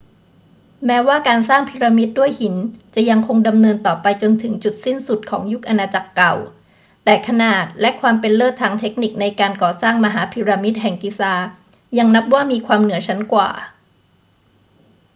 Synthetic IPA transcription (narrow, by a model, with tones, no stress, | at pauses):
mɛː˦˥waː˥˩kaː˧nsaː˥˩ŋpʰi˧˥ɾa˧mi˦˥t̪̚du˥˩əjhi˩˦nt͡ɕa˨˩ja˧ŋkʰo˧ŋda˧mnɤː˧nt̪ɔː˨˩pa˧jt͡ɕo˧nt̪ʰɯ˩˦ŋt͡ɕu˨˩t̪̚si˥˩nsu˨˩t̪̚kʰɔ̰ː˩˦ŋju˦˥k̚ʔa˧naː˧t͡ɕa˨˩kːa˨˩w | t̪ɛː˨˩kʰa˧naː˨˩t̪̚lɛ˦˥ʔkʰwaː˧mpe˧nlɤː˥˩t̪ʰːaː˧ŋt̪ʰe˦˥k̚ni˨˩k̚na˧jkaː˧nkɔː˨˩saː˥˩ŋma˧ɦaː˩˦pʰi˧ɾaː˧mi˦˥t̪̚ɦɛ˨˩ŋki˧˩saː˧ | ja˧ŋna˦˥p̚waː˥˩miː˧kʰwaː˧mnɯ˩˦ɐt͡ɕʰa˦˥nkwa̰ː˨˩